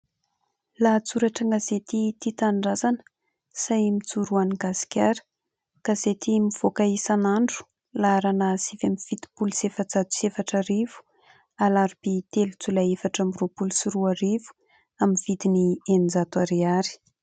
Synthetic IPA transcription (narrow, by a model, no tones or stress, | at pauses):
lat͡suɾaʈ͡ʂəŋɡazet̪it̪it̪anɖ͡ʐazanə̥ | sajmit͡suɾuaniɡasi̥kʲaɾə̥ | kazet̪imiv̥okaisanaɳɖ͡ʐu̥ | laaɾanasivamiv̥it̪i̥pulusefad͡zat̪u̥sefaʈ͡ʂaɾivu̥ | alaɾub̥et̪elut͡sulaefaʈ͡ʂamirupulusuɾuaɾivu̥ | aminvit̪inienid͡zat̪waɾeaɾi̥